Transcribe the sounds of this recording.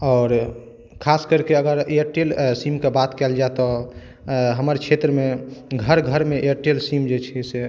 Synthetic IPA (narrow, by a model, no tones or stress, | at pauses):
ɔːɾ | kʰaskəɾkeəɡəɾeəɾʈelsimkebat̪kɛld͡ʒaet̪ɔ | ɦəməɾt͡ʃʰet̪ɾəmeɡʱəɾɡʱəɾmeeɾʈelsimd͡ʒet͡ʃʰise